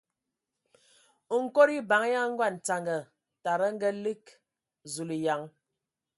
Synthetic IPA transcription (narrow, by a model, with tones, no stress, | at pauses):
u˨ŋ̩˦ko˦ɾi˦ba˨˦ŋ˦ja˦ŋ˦ŋ̩˦ɡwa˦˨n̩˨ta˨ŋɡə˨ | ta˨ɾə˦ŋ̩˦ɡə˦li˦k | zu˨li˨ja˨ŋ